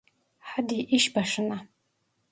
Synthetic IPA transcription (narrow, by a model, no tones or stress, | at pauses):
ħadiʔiʃbaʂɨna